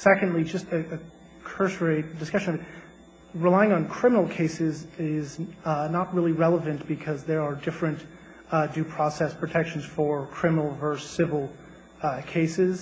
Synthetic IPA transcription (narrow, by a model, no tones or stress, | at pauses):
sɛkɨ̃ndˡlid͡ʒʌstɨɨ | kʰɜ˞sɹeɪddɨskʌʃɨ̃nʌvɨt̚ | ɹɨlaɪɪ̃ŋə̃nkʰɹ̥ɪ̃mnl̩ˠkʰeɪsɪzɪznət̚ɹɪlˠiɹɛlˠəvɨ̃nb̥ɨkʰʌzðə˞ːdɪfɹɨ̃n | dʉpʰɹ̥ɔsɛspʰɹ̥ɨtʰɛkʃn̩z̥fə˞kʰɹ̥ɪmənl̩ˠvə˞sɪvl̩ˠ | kʰeɪsɪz̥